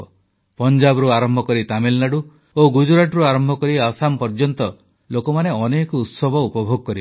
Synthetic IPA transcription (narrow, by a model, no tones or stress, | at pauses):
pɔnd͡ʒabɾuaɾɔmbʱɔkɔɾit̪amilnaɖu | oɡud͡ʒuɾaʈɾuaɾɔmbʱɔkɔɾiasampɔɾd͡ʒɔnt̪ɔ | lokɔmaneɔnekɔut̪sɔbʱɔupɔbʱoɡɔkɔɾib